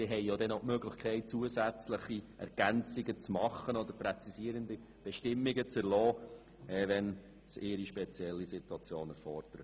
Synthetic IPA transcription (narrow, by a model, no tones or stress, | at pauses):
sɪːɦɛɪjodɛnoʊtmøɡlɪχkʰɛɪt̚t͡suəzæt͡sləχiʔɛ̰ɾɡ̥ænt͡sɪɡət͡smɑχənɔd̪əɾprɛt͡sisiːɾənd̪ə | b̥ɛʃtɪmːiɡət͡sɛɾlɔː | ɛːvɛn | sɪːɾiʃpɛt͡sjɛlːisit̪uɑt͡sjoːnɛɾfɔɾd̪̥əɾət